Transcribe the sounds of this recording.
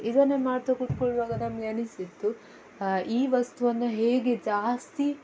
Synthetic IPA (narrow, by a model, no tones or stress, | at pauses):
id̪ɐnːemaːɖt̪ɐkuʈkoɭʋaːɡɐnɐmɐɡeɐnisit̪ːu | iːʋɐst̪uʋɐnːɐɦe̞ːɡed͡ʒaːst̪i